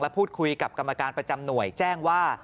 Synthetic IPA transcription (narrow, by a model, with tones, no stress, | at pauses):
lɛ˦˥pʰuː˥˩t̪̚kʰu˧jka˨˩p̚ka˧mːa˧kaː˧npɾa˧t͡ɕa˧mnu˨˩əjt͡ɕɛː˥˩ŋwaː˥˩